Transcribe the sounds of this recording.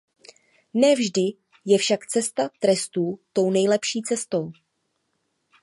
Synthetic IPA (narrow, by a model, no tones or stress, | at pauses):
nɛːvʒdɪ | jɛfʃakt͡sɛst̪at̪ɾɛst̪uːt̪o̞wnɛjlɛpʃiːt͡sɛst̪o̞w